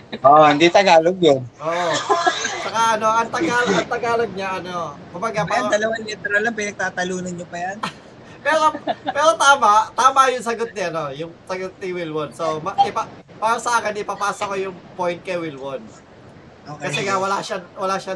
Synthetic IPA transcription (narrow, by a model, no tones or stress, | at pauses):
ʔoʔohɪnd̪it̪ɐɡaːloɡ̚jonʔoʔt͡ʃɐkaʔɐno̞ʔɐnt̪ɐɡaːloɡɐnt̪ɐɡaːloɡ̚ɲaʔɐnokʊmbɐɡapad̪ɐlɐwanlɛt̪ɛɾɐlːɐmpɪnɐɡ̚t̪aːt̪ɐluːnɐnɲopɐjan | pɛːɾopɛːɾot̪aːmɐt̪aːmɐjʊŋsɐɡot̪̚nɪʔɐno̞jʊŋsɐɡot̪̚nɪwilwod̪somɐʔɪpa | paːɾɐsɐʔaːkɪnɪpɐpaːsokojʊŋpojnt̪̚kɐjwɪlwod̪̚ | okɐsɛŋawɐlaʃawɐlaːʃa